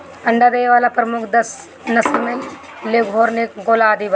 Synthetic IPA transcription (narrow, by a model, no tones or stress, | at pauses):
ɐ̃ɳɖad̪eʋaːlapɾɐmʊkʰd̪ɐs | nɐslme | leɡɦoːɾnekɡoːlaːd̪ib